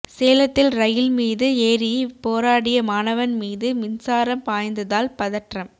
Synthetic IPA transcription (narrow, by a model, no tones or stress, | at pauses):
seːlɐt̪ːɪlɾɐjɪlmiːðɯeːɾipoːɾaːɽɪjɐmaːnɐʋɐnmiːðɯmɪnsaːɾɐmpaːjnd̪ɯðaːlpɐðɐʈrɐm